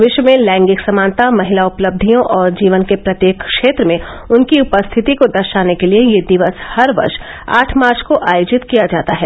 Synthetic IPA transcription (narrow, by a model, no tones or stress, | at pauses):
ʋɪʃwəmẽlɛ̃ːŋɡɪksɐmaːnt̪amɐɦɪlaʊpləb̚d̪ʱijõʔɔːɾd͡ʒiːʋənkepɾɐt̪jeːkkʃeːt̪ɾəmẽ | ʊnkiʊpəst̪ʰɪt̪ikod̪ɐɾʃaːnekeliejed̪ɪʋəshɐɾʋɐ̰ɾʃ | a̰ːʈʰmaːɾt͡ʃkoʔaːjoːd͡ʒɪt̪kijad͡ʒaːt̪aɦɛː